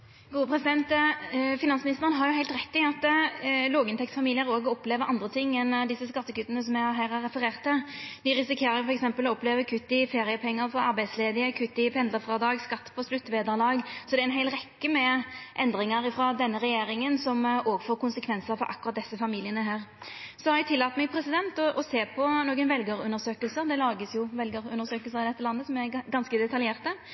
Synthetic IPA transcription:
ɡuːəpʰɾɛsɪd̪ɛnt̪fɪnɑnsmɪnɪst̪əʁənɦɑɾjʊɦæɪlt̪ɾɛt̪ːɪɑt̪ːloːɡɪnt̪ʰɛkt̪sfɑmiːlɪəɾoːɡəɔpleːʋəɾɑ̰nd̪ɾət̪ʰɪŋːɛnd̪ɪsːəskɑt̪ːəkʉt̪ːənəsɔmæɪhɑɾɦæːɾæɾɛfəɾeːʁt̪ːəd̪ɪɾɪsɪkʰeːɾəɾjʊfɔɾɛksɛmpəlɔɔpleːʋəkʰʉt̪ːɪfeːɾɪəpʰɛŋːəɾfɔɑɾbæɪd̪sleːd̪ɪəkʰʉt̪ːɪpʰɛnd̪ləfɾɑd̪ɑːɡskɑt̪ːpʰɔslʉt̪ːʋeːd̪əɾlɑːɡsɔd̪ɛɛɪnɦæɪlɾɛkːəmɛʔɛnd̪ʁɪŋəɾɪfɾɑd̪ɛnːəɾɛjeːɾɪŋənsɔmoːɡfoːkʊnsəkʰʋɛnsəɾfɔ̰ʔɑ̰kːʊʁɑt̪̚d̪ɛsːəfɑmiːlɪənəɦæːʁ | sɔhɑɾɛɡt̪ʰɪlːɑːt̪mɛɡpʰɾɛsɪd̪ɛnt̪ɔʔɔseːpʰɔnoːɡənʋɛlɡəɾʉnəɾsøːkəlsəɾd̪ɛlɑːɡəsjʊʋɛlɡəɾʉ̰nəɾsøːkəlsəʁɪd̪ɛt̪ːəlɑnːəsɔmɛɡɑnskəd̪ɛt̪ɑljeːʁt̪ə

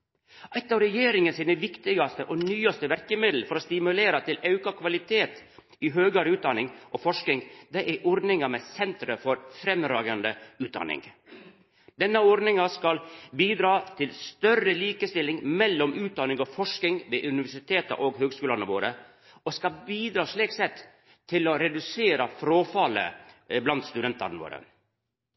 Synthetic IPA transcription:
ʔɑt̪ːɑɾɛjeːɾɪŋənsiːnəʋɪkt̪ɪɡɑst̪əʔɔnyːɑst̪əʋæɾkəmɪd̪l̩fɔɾɔst̪ɪmʉleːɾɑt̪ʰɪlɑʉkɑkʰʋɑlɪt̪ʰeːt̪ | ɪɦøːɡɑɾəʉːt̪̚d̪ɑnɪŋʔɔfɔʂkɪŋd̪ɛʔɛʔɔɾd̪nɪŋɑmɛsɛnt̪ɾəfɔɾfɾɛmːɾɑːɡɑnd̪əʉːd̪ɑ̰nɪ̰ŋ | d̪ɛnːəɔɾd̪nɪŋɑskɑlbiːd̪ɾɑːt̪ʰɪlst̪œrəliːkəst̪ɪlːɪŋmɛlːɔmʉːt̪̚d̪ɑnɪŋɔfɔʂkɪŋʋeːʔʉnɪʋæʂɪt̪ʰeːt̪ə̰ʔoːɡɦøːɡskʉːlɑnəʋoːɾə | ɔskɑlbiːd̪ɾɑːʂɭiːksɛt̪ː | t̪ʰːɪlɔɾɛd̪ʉseːɾɑfɾoːfɑlə̰blɑnt̪st̪ʉd̪ɛnt̪ɑ̰ɾnəʋo̰ːɾə̰

